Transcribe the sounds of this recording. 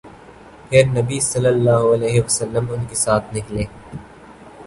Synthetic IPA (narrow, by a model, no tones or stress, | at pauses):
pʰɪɾnɐbisɐlːəlːaːɦɐlɛːɦeʋɐsəlːəmʊnkesaːt̪ʰnɪkleː